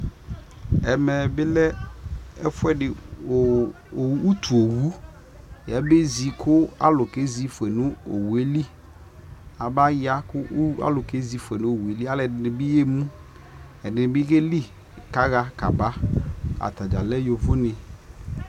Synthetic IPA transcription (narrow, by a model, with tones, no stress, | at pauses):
ɛ˨mɛ˨bɪ˦lɛ˦ɛ˦fʊ˦ɛ˦dɪ˨ | o˨˦u˦tʰu˨o˨wu˦ | jɛ˨˦be˦zi˨kʰʊ˦a̰˦lʊ˨ke˦zi˦fwɛ˨nʊ̃˦o̰˨wu˨e˦li˦ | a˨ba˦ja˦kʊ˦a̰˦lʊ˨ke˦zi˨fɛ˨nʊ̃˦o˨wu˨e˨li˦a˦lɛ˨ɪ˨nɪ˨bɪ˦je˦mũ˦ | ɛ˨dɪ˨nɪ˨bɪ˦ke˦li˦ | ka˨˦ɣa˨ka˨ba˦a̰˨t̪a˨d͡ʒa˨lɛ˦jo˨vʊ˦nɪ̃˨